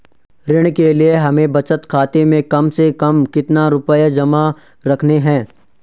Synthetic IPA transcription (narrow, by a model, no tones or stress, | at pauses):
ɾɪɽ̃kelieɦɐmẽbɐt͡ʃət̪kʰaːt̪emẽkɐmsekɐmkɪt̪naɾʊpəjad͡ʒɐma | ɾɐkʰneɦɛ̃ː